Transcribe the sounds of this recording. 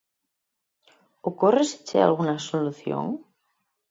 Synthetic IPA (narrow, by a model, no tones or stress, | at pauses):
okoresi̥t͡ʃḛa̰lɣ̞unasoluθjo̰ŋ